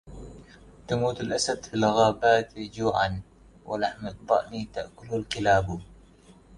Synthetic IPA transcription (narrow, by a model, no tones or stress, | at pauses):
t̪amuːt̪alʔasad̪filɣaːbaːt̪d͡ʒuːʕa̰n | wʔa̰laħmɨt̪̚t̪ˤɑ̰ʔnit̪aʔkʊlalkɪlaːb